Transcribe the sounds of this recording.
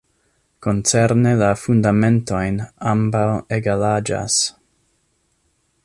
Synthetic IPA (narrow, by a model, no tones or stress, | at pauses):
ko̞nt͡seɾnelafundame̞nto̞jnambaweɡalad͡ʒa̰s